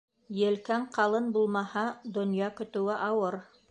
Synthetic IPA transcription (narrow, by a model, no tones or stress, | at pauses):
jɘ̆lkæɴqʰɑlˠɤnbulˠmɑhɑd̪ŏnjɑkɵ̆t̪ɘ̆wɘʔɑwɤɾ